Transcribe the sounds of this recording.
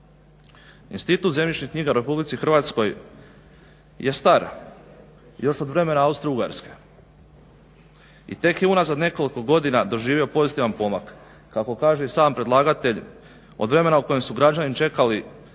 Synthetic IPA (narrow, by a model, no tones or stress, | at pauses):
ḭnst̪it̪uːt̪ze̞mʎit͡ʃɲikɲiːɡauɾe̞publit̪sixɾʋaːt̪sko̞j | je̞st̪aɾ | jo̞ʃo̞d̪ʋɾe̞me̞naaust̪ɾouɡa̰ɾske̞̥ | ḭt̪e̞kjeunazad̪ne̞ko̞liko̞ɡo̞d̪inad̪o̞ʒiːʋio̞po̞zit̪iʋanpo̞makː | ako̞kaːʒeisaːmpɾe̞d̪lˠaːɡat̪e̞ʎ | o̞̰d̪ʋɾe̞me̞nauko̞jemsuɡɾad͡ʒanit͡ʃe̞kali